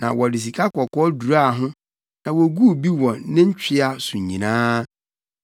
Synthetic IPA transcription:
nã̰˨wɔ˨dɪ˨s̬i˨kʰa˦kɔ˨kʰɔ˦du˨ɾa˦˨ɦʊ̃˦ | nã˨wɔ˨ɡu˦˨bi˦wɔ̃˨˦nɪ̃˦ɲ̩˦t͡ɕᶣʰɪ˦a˨sũ˨ɲɲḭ̃˨nãː˦

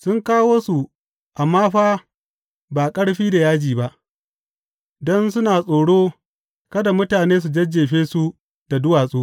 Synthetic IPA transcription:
sʊ˦ŋkaː˦woː˦su˨ | ʔa˨maː˦ɸaː˦ | baː˨kʼɐ˦ɽɸiː˦da˨jaː˦d͡ʒiː˨ba˦ʔ | dɔ˦nsʊ˦naː˨sʼoː˨ɽoː˦ | kɐ˦da˨mʊ˦taː˨neː˦s̬u˨d͡ʒɐ˦d͡ʒeː˨ɸeː˦su˦ | da˨dʊ˦waː˨sʼoː˦

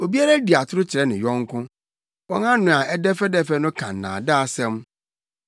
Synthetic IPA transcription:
o˨bi˦a˦ɾa˦di˨a˨tʰʊ˦ɾʊ˦t͡ɕʰɪ˨ɾɛ˦nɪ̃˨jɔ̃˦ŋ˦kʰʊ̃˦ | wɔ̃˦nã˦nʊ̃˨a˨ɛ˦dɛ˦fɛ˦dɛ˦fɛ˦nʊ̃˦kʰã̰˨n˨nã̰ː˨daː˦˨sɛ̃˦m

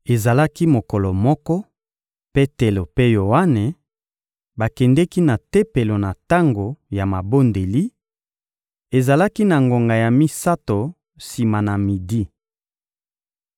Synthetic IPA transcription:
e˨za˨la˦ki˦mo˨kɔ˨lɔ˨mɔ˦kɔ˦ | pe˦te˨lo˨pe˦jo˨a˦ne˨ | ba˨kɛ˨ndɛ˦ki˦na˨te˦pe˨lo˨na˨ta˦ŋɡo˨ja˨ma˨bo˦nde˨li˦ | e˨za˨la˦ki˦na˨ŋɡo˨ŋɡa˨ja˨mi˦sa˦to˨ | si˨ma˨na˨mi˨di˦

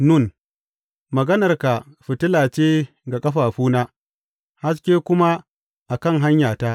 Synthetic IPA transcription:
nʊ˦˨n | mɐ˨ɡɐ˦nɐ˨rka˨ɸɪ˨tɪ˦laː˨t͡ʃeː˦ | ɡa˨kʼɐ˦ɸaː˨ɸuː˦naː˦ | ha˦s̬kʲeː˦kʷʊ˦ma˦ | ʔa˨kɐ˦˨ŋɦa˦ɲjaː˨ta˦ʔ

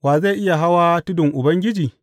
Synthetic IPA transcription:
waː˨za˦˨ʔɪ˦ja˨ɦa˦waː˦tʊ˦dɪ˨ŋʔʊ˨bɐ˦ŋɡʲɪ˦d͡ʒiː˨

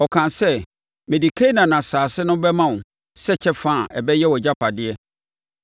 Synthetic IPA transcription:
ɔ˨kʰã˨nsɛ˦ | mɪ̃˨di˨kʰe˦nã˨nã˨saː˨sɪ˦nʊ̃˦bɛ˦mã˦˨ | sɛ˦t͡ɕʰɛ˦fãː˦˨ʔɛ˨bɛ˦jɛ˦wɔ˨d͡ʑa˦pʰa˨dɪ˦ɛ˦

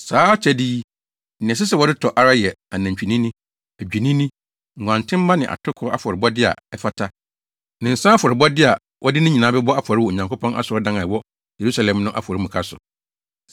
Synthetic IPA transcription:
saː˨˦t͡ɕʰɛ˨diː˦ | n̩˨ɪ̃˨ɛ˨s̬ɪ˦s̬ɛ˦˨wɔ˦dɪ˦tʰɔ˨ʔa˦ɾa˦jɛ˨a˨nã˨ɲ˨t͡ɕᶣi˨nĩ˦nĩ˦ | æ˨d͡ʑᶣi˨nĩ˦nĩ˦ | ŋ̩˨ɡʷã˨ntʰɪ̃˦m˦ba˦nɪ̃˨ʔa̰˨tʰʊ˦kʰʊ˦ɔ˦a˦˨fɔ˨ɾɪ˨bɔ˦dɪ˦a̰˨ɛ˦fa˦tʰa˦ | nɪ̃˨n̩˨sã˦fɔ˨ɾɪ˨bɔ˦dɪ˦a˨ | wʔɔ˦dɪ˦nʊ̃˦ɲĩ˨nã˨˦bɛ˦bɔ˦a˦fa˨ɾɪ˦wɔ˨ɲã˨ŋkʰo˦pʰɔ̃˦nʔa̰˦sʊ˨ɔ˦dã˦ŋã˨wɔ˦ | je˨ɾu˦sa˨lɛ̃˨mnʊ̃˦ʔa̰˦fɔ˨ɾi˦mũ˨kʰa˦sʊ̰˨

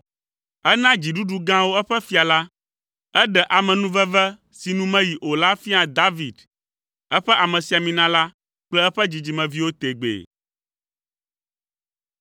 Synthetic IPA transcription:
ɛ˦nã˦d͡ʑi˨ɖu˦ɖu˦ɡã˦wo˦ɛ˦ɸɛ˦fi˦a˨la˦ | ɛ˦ɖɛ˨ʔa˨mɛ̃˨nũ˦vɛ˦vɛ˦ | si˨nũ˦mɛ̃˦ji˨ʔo˨la˦fi˦a˨d̪a˦vi˨d̪ | ɛ˦ɸɛ˦ʔa˨mɛ̃˨si˨a˨mĩ˨nã˦la˦ | k͡plɛ˦ɛ˦ɸɛ˦d͡ʑi˨d͡ʑi˨mɛ̃˨vi˦wo˦t̪e˨ɡ͡bḛ˨

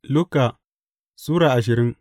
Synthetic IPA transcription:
lʊ˦ka˨ | suː˦ɾaː˨ʔa˨ʃ̬ɪ˨ɾɪ˦ŋ

